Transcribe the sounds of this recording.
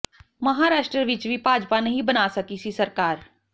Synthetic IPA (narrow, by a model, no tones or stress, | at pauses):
mɐɦaːɾaːʃʈɾəʋɪt͡ʃʋʱipaːd͡ʒpanɐɦĩbɐnasɐkisisɐɾkaːɾ